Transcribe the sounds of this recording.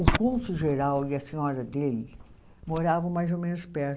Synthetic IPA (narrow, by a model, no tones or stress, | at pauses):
ʊkõsʊʒeɾawɪɐsĩɲɔɾɐd̪elɪ | moɾavɐ̃w̃majzomẽnʊspɛɾ